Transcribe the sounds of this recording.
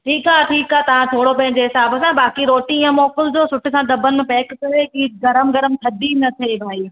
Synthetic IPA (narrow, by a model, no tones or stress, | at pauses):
ʈʰiːkaːʈʰiːkaːt̪ɐʋ̤ãt̪ʰoːɽopɐ̃ɦɪ̃ɲd͡ʑeɦɪsaːbsãbaːkiɾoːʈĩãmɔːkɪld͡ʑoːsʊʈʰɪsãd̪ɐbʱənɪ̆mẽpɛːkkɐɾekiːɡɐɾəmɡɐɾəmt̪ʰɐd̪ʱinɐt̪ʰebʱaːiː